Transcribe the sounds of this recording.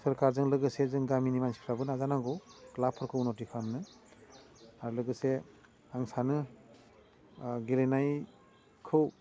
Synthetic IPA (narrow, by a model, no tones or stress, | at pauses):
sɯɾkaɾzɯŋlɯɡɯsezɯŋɡaminimansi̥pʰɾabɯnazanaɡɯwklapʰɔɾkʰɯnɔtikʰamnɯ | aɾulɯɡɯse | aŋsanɯ | ɡilenaj | kʰɯw